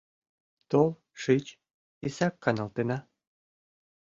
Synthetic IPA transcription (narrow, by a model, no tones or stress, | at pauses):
t̪ol | ʃit͡ɕ | isɑkːɑnɑlt̪enɑ